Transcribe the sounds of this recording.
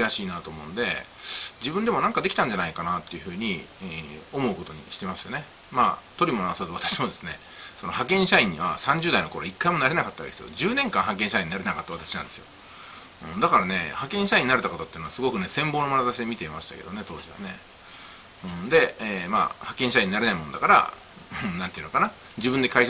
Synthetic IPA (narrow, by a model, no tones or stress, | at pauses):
aɕiːnat̪o̞ːmõ̞nd̪e̞̰d͡ʑibɯ̃nd̪e̞mo̞nãŋkad̪ekʲi̥t̪ãɲ̟d͡ʑanaikanat̪ːe̞jiɯ̟ɸɯ̟ːɲ̟i | o̞mo̞ɯko̞t̪o̞ɲ̟ḭɕi̥t̪emasɨjo̞ne̞ | ma̰ːt̪o̞ɾʲimo̞noasazɨat̪ḁɕimod̪e̞sɨne̞ | so̞no̞hakẽ̞ɰ̃ɕaĩɲ̟ːiβa̰sãɲ̟d͡ʑɨːd̪aino̞ko̞ɾoikːaimo̞naɾe̞nakat̪ːaβa̰keesɨjo̰d͡ʑɨːnẽ̞ŋkãɰ̃hakẽɕaĩɲːinaɾe̞nakat̪ːaβat̪ḁɕinãnd̪e̞sɨjo̞̰ | ɯ̃ɴd̪akaɾane̞hakẽ̞ɰ̃ɕaĩɲːinaɾe̞t̪akot̪ot̪ːeinoa̰sɨɡo̞kɯ̟ne̞sẽ̞mboːno̞manazaɕid̪emʲit̪e̞imaɕi̥t̪a̰ke̞d̪onet̪o̞ːʑiβa̰ne̞ | ɯ̟̃d̪e̞ema̰ːhakẽɕaĩɲːinaɾe̞naimo̞nod̪akaɾã̰ | nãnt̪eiɯ̟nokana | d͡ʑibɯ̃nd̪e̞kai